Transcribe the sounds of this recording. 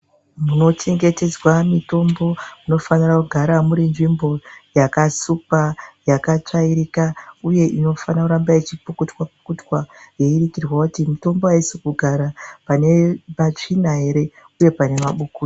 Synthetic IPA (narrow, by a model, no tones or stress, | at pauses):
muno̞t͡ʃe̞ŋɡe̞te̞d͡zwamito̞mbo̞muno̞fanirakuɡʱaɾamuɾinʐimbo̞jakasupajakat͡ʂaiɾikauje̞ʔino̞fanakuɾambait͡ʃipukutwapu̥kutwaje̞iɾikirwakutimito̞mbo̞aisikuɡʱaɾapane̞mat͡ʂinaɦe̞ɾe̞ | uje̞pane̞maɓukuːi